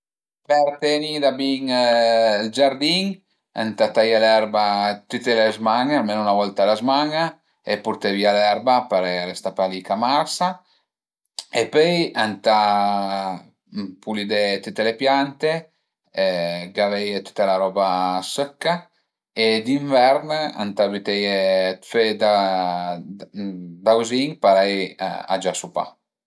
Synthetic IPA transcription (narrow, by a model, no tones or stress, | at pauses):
pɛɾt̪enid̪abiŋ | ld͡ʒaɾd̪iŋ | a̰nt̪at̪ajalɛɾbat̪yt̪elezmaŋalmenounavɔlt̪alazmaŋa | epuɾt̪evialɛɾbapaɾeaɾest̪apalikamaɾsa | epøjant̪a | pulid̪et̪it̪ːelepjant̪e | ɡavɛjet̪u̥t̪alaɾɔbasœkːa | ed̪iɱvɛɾna̰nt̪abit̪ɛjfed̪a | d̪awziŋpaɾɛj̰a̰d͡ʒasupa̰